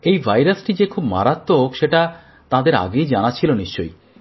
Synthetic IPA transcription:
ejbʱajɾasʈid͡ʑekʰubma̰ɾat̪ːoɦokʃeʈa | t̪ãd̪eɾa̰ɡejd͡ʑanat͡ɕʰiloniʃt͡ʃo̰j

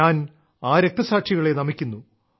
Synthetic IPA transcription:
aːn | aːɾek̚t̪ɐsaːʈʂiɣɐɭe̞nɐmikʲːunːu

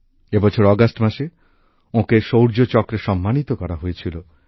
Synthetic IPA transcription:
ebɔt͡ɕʰoɾɔɡasʈmaʃe | õkeʃowɾd͡ʑot͡ɕɔkɾeʃɔmːanit̪okɔɾaɦojet͡ɕʰilo

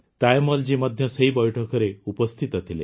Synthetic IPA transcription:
t̪ajmɔld͡ʑimɔd̪ʱjɔseibɔjʈʰɔkɔɾeupɔst̪ʰit̪ɔt̪ʰilḛ

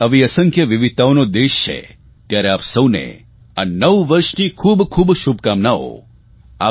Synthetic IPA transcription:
əʋiəsə̃ŋkʰjəʋiʋit̪aonod̪eʃt͡ʃʰḛ | t̪jaɾeapsəwnḛ | anəʋʋəɾʃnikʰubkʰubʃubkamnao̰ | a

